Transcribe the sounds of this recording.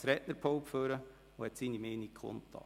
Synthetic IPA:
sɾɛtnəɾpʰoʊpføɾə | ohɛt̪siːnimeːnikʰχo̰nt̪ːɑ̰

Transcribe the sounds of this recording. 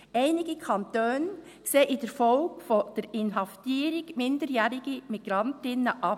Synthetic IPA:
ʔæɪnɪɡ̥əkʰɑntøːn | seːʔidɛɾfɔlɡfod̥ɛɾɪnɦɑftiːɾɪɡmɪndəɾjɛːɾɪɡ̥əmiɡ̥ɾɑntɪnəʔɑ

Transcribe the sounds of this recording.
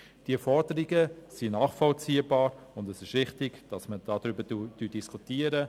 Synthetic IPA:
d̥iɛfɔɾdəɾiɡəsinɑːχfɔlt͡siːəbɑːɾʊndɛsɪʃʋɪχtɪɡd̥ɑsməd̥ɑːdɾybədud̥yd̥iskʰutiːəɾə

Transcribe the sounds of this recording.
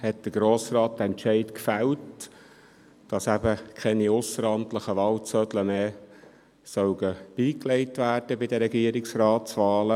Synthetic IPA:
hɛt̚d̥əɡ̥ɾoːsrɑːt̚d̪əɛntʃɛɪtkfælt | d̥ɑsæbəkʰχɛniʊsəɾɑntləχəʋɑːlt͡sœd̪ləmeː | sœwɡəb̥iːklɛɪtʋæːrd̥əbɪdəɾɛɡiəɾɪksrɑːtsʋɑːlə

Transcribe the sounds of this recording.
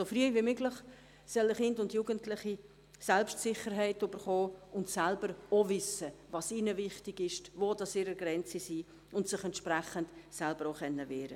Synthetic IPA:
sofriːvimʏɡlɪχ | sœləχɪndʊndjuːɡ̥əntlɪχi | sɛlpʃtsɪχəɾɦɛɪtyb̥əɾχoːʊntsɛlbəɾovʏsəvɑsinəvɪχtɪɡɪʃtʋodɑsɪɾəɡɾɛnt͡sisiː | ʊntsɪχɛntʃprɛχəndsɛlbəɾoχɛnːəvɛːɾə

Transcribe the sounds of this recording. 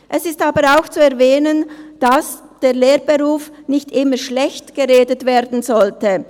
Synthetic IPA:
ʔɛsɪstaːbəɾaʊxt͡suɛɐvɛːnənd̥as | d̥eːʁleːɾbeʁuːfnɪçtʔɪməʃlɛçtɡ̥əʁeːdətveːɐɾdn̩zɔltə

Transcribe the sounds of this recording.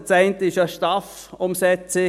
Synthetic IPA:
t͡saɪnt̪əɪʃaʃtɑf | ʊmsɛt͡sɪ

